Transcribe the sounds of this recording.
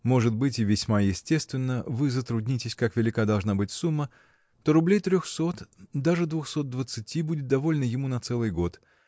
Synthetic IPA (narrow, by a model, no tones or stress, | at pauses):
mo̞ʐɨt̪̚bɨtʲɪvʲɪsʲmajɪsʲtʲe̞st̪vʲɪnːəvɨzət̪ɾʊdʲnʲitʲɪsʲkakvʲɪlʲɪkad̪ɐlˠʐnabɨtʲsumːə | t̪o̞ɾʊblʲejt̪ɾʲoxso̞t̪d̪aʐɨd̪vʊxso̞t̪̚d̪vət̪sɨtʲibudʲɪt̪̚d̪ɐvo̞lʲɪnəjɪmunɐt̪sɛlˠɨjɡo̞t̪